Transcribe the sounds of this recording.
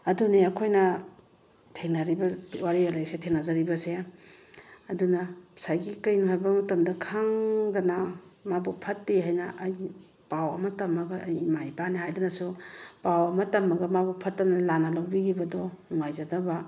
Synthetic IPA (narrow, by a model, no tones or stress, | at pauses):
ɐduneɐkʰojnɐ | tʰeŋnaɾibɐwaɾialajsetʰeŋnazaɾibɐse | ɐdunɐsajɡikɐjnuɦajbɐmɐtɐmdɐkʰaŋdɐnamabupʰɐtːiɦajnɐʔɐj | pawɐmɐtɐmɐɡɐːjimajbaniɦajdanɐsupawɐmɐtɐmɐɡɐmabupʰɐtːɐmnalanalawbiɡibɐdɔnuŋajzadɐbɐ